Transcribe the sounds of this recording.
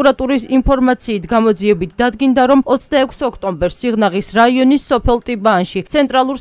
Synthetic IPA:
uɾat̪ʼuɾisimpʰɔɾmat̪sʰiːt̪ʰɡamɔd̪ziɛbit̪ʰd̪ad̪ɡind̪aɾɔmɔt̪sʰd̪aɛkʰsɔkʰt̪ʼɔmbɛɾsːiʁnaʁisɾaiɔnisːɔpʰɛlˠt̪ʼibaːnʃisʰɛnt̪ʼɾalˠuɾs

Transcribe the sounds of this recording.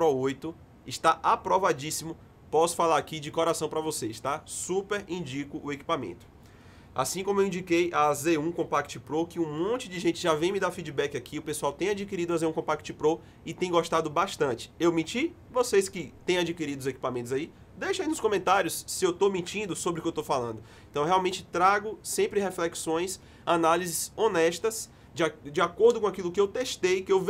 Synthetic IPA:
pɾɔojt̪ʊ | ɪʃt̪aʔapɾɔvad͡ʒisimʊ | pɔsʊ̥falaɾakid͡ʒɪkɔɾasɐ̃w̃pɾɐvosest̪asupeɾĩd͡ʒikʊʔʊeki̥pamḛ̃t̪ʊ̥ | a̰sĩkõmʊewĩd͡ʒikejaːzeɾũkõpakt͡ʃɪpɾɔkɪũmõt͡ʃɪd͡ʒɪʒẽnt͡ʃɪʒavẽj̃mɪid̪afid͡ʒibɛkɪakʰiʊpesuawt̪ẽj̃ad͡ʒikiɾid̪ʊazeɾũkõpakt͡ʃɪpɾɔ | ɪt̪ẽj̃ɡoʃt̪ad̪ʊbaʃt̪ɐ̃t͡ʃɪ̥ewmit͡ʃi | voseskɪt̪ẽj̃ad͡ʒikiɾid̪ʊzeki̥pamẽnt̪ʊzai | d̪ejʃaĩnʊskõmẽnt̪aɾjʊsːɪewt̪omĩt͡ʃĩnd̪ʊsobɾʊkɪewt̪owfalɐ̰̃nd̪ʊ | ẽnt̪ɐ̃w̃ɦɛawmẽt͡ʃɪ̥t̪ɾaɡʊsẽpɾɪɦeflɛksõj̃s | analizɪzonɛʃt̪ɐs | d͡ʒd͡ʒiakoɾd̪ʊkõakilʊkɪewt̪eʃt̪ejkɪewv

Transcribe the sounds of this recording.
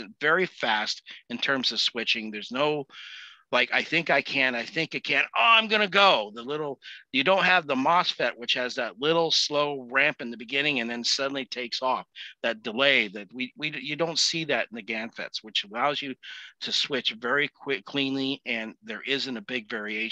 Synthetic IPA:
ɨ̃ntvɛɹifæstɨ̃ntʰɜ̃˞mzʌv̥swɪt͡ʃɪ̃ŋðə˞znoʊ | laɪkaɪθɪ̃ŋkaɪkʰɨ̃naɪθɪ̃ŋkɨt̚kʰɨ̃noʊãɪ̃mɡʌñɨɡoʊðəlɪɾl̩ˠjɨdõʊ̃n̚ɦɨvðəmɑsfɛʔ̚wɨt͡ʃhɨzðɨtˡlɪɾl̩ˠsloʊɹæ̃mpɨ̃nðɨbɨɡɪ̃nɪ̃ŋɨ̃nðɨ̃nsʌdⁿn̩litʰeɪksɔfðɨt̚d̥ɨleɪðɨt̚wiwijɨdõʊ̃ntsiðɨɾɨn̩ðɨɡæ̃nfɛ̰tswɨt͡ʃəlaʊzjɨɾɨswɪt͡ʃvɛɹikʰw̥ɪkʰl̥ĩnliɨ̃nðə˞ʔɪzɨ̃ñɨbɪɡvɛɹieɪ

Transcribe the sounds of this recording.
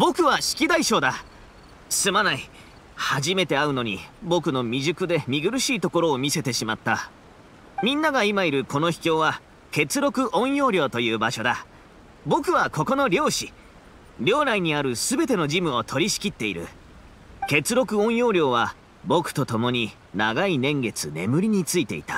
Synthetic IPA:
bo̞kɯ̟βaɕi̥kʲid̪aiɕo̞ːd̪a | sɨmanai | haʑime̞t̪e̞aɯ̟no̞ɲ̟ḭbo̞kɯ̟no̞mʲiʑɨkɯ̟d̪e̞mʲiɡɯ̟ɾɯ̟ɕiːt̪o̞ko̞ɾo̞ːmʲise̞t̪e̞ɕimat̪ːa | mʲĩnːaɡaimaiɾɯ̟ko̞no̞çi̥kʲo̞ːβa | ke̞t͡sɨɾo̞kɯ̟ʔõ̞ɰ̃jo̞ːɾʲjo̞ːt̪o̞jɯ̟ːbaɕo̞d̪a | bo̞kɯ̟β̞ako̞ko̞no̞ɾʲo̞ːɕi | ɾʲo̞ːnaiɲ̟iaɾɯ̟sɨbe̞t̪e̞no̞ʑimɯ̟o̞t̪ʰo̞ɾʲiɕi̥kʲit̪ːe̞iɾɯ̟̰ | ke̞t͡sɨɾo̞kɯ̟õ̞ɰ̃jo̞ːɾʲo̞ːβa | bo̞kɯ̟̥t̪o̞t̪o̞mo̞ɲ̟i | naɡainẽ̞ŋɡe̞t͡sɨne̞̰mɯ̟ɾʲiɲ̟it͡sɨit̪e̞ḭt̪ḁ

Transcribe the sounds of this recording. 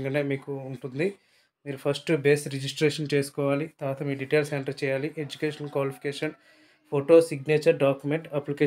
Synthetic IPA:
ŋɡɐneːmiːkuːɳʈund̪i | miːɾupʰɐsʈbeːsɾed͡ʒisʈɾeːʂɐnt͡ʃe̞ːsu̥kɔːʋaːlit̪aːt̪ʰɐmiːɖiʈeːlseɳʈɐɾt͡ʃɛːjaːliʔed͡ʒukeːʂɐnkʋaːlipʰi̥keːʂɐn | pʰoʈo̞ːsiɡneːt͡ʃɐɾɖaːkjumeɳʈɐplike

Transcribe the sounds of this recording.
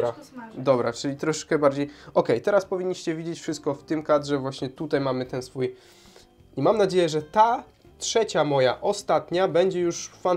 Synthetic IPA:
ad̪ɔbɾat͡ʂɘlʲit̪ɾɔʂɛ̥t͡ʂkɛbaɾd͡ʑejɔkɛjt̪ɛɾaspɔvʲiɲːiɕt͡ɕɛvʲid͡ʑet͡ɕfʂɘst̪kɔft̪ɘmkad̪ʐɛvwaɕɲɛt̪ut̪ajmamɘt̪ɛnsfuj | imamnad͡ʑejɛʐɛt̪a | tʂɛt͡ɕamɔjaʔɔst̪at̪ɲabɛɲd͡ʑɛjuʂfan

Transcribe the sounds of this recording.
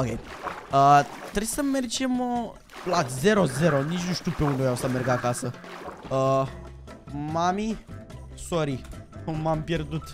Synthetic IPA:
okʲḛj | ət̪ɾejsəme̞rd͡ʒemə | lazeɾo̞ze̞ɾo̞nit͡ʃnuʃt̪iwpeund̪evjawsəmerɡakasə | ə | mami | soɾimampjerd̪ut̪

